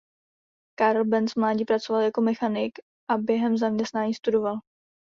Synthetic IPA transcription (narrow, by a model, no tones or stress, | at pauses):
kaɾlbɛnsvmlaːɟipɾat͡so̞valjako̞mɛxanɪk | ʔabjɛɦɛmzamɲɛst̪naːɲiːst̪udo̞val